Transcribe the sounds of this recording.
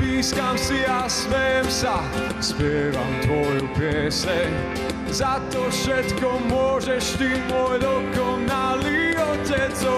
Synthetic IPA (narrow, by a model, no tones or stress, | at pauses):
piːskamsiasmɛjɛmsa | spɪɛːʋa̰mt̪ʋɔjupɪɛsɛɲ | zat̪ɔfʃɛt̪kɔmʊɔʒɛʃt̪imɔjd̪ɔkɔnaliɔcɛt͡sɔ